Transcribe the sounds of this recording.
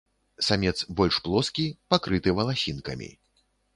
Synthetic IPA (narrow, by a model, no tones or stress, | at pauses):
samʲɛt̪sbɔlʲʂplˠɔskʲipakɾɨt̪ɨvɐlˠasʲinkɐ̰mʲḭ